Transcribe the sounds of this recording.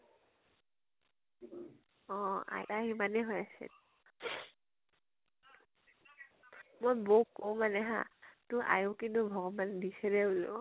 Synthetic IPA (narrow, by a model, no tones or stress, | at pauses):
ɔa̰jaɦimanɛɦojasɛ̰ | mojboukɔwmanɛɦã̰tʊʔa̰jukintʊbʱɔɡɔbandisɛɹɛʊlʊ̰